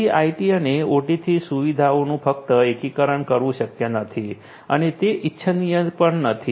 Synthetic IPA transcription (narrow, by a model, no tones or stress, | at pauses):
iaiʈiəneoʈit̪ʰisuʋid̪ʱaonũpək̚t̪əekikəɾəɳkəɾʋũʃəkjənət̪ʰi | ənet̪eʔitːʃʰənijəpəɳnət̪ʰi